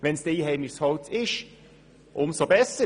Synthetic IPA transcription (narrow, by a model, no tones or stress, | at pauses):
ʋɛnsd̥eiːɦɛɪmɪʃshɔltʰɪʃ | ʔʊmsobɛsə